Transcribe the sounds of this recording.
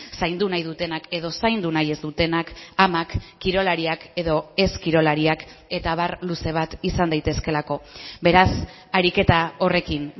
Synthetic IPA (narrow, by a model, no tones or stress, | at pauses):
sajnd̪unajðut̪e̞nake̞ðo̞sajnd̪unaje̞zd̪ut̪e̞nakamakːiɾo̞laɾiake̞ðo̞e̞skiɾo̞laɾiake̞t̪aβ̞arluse̞β̞at̪isand̪ajt̪e̞ske̞lako̞be̞ɾas | aɾike̞t̪ao̞re̞kin